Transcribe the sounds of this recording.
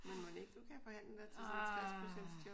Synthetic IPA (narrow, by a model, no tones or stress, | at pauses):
menmɒde̝ɡ̥̚d̥ukʰæfɒ̽hæn̰ləʋeɐt͡sʰeʁaɐ̰spʰʁosen̰d̥sdʰo